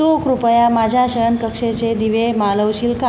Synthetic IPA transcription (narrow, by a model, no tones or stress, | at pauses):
okɾupəjamad͡ʑʱjaɕəəɳkəkʂet͡ɕed̪iʋemaləwɕiːlka